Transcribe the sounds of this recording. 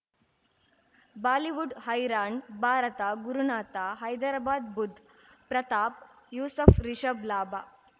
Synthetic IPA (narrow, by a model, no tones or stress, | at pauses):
baːliʋuɖhɐjɾaːɳbʱaːɾɐt̪aɡuɾunaːt̪aɦɐjd̪aɾbaːd̪bud̪ʱː | pɾɐt̪aːp̚ | juːsɐfɾiʃəblaːbʱaː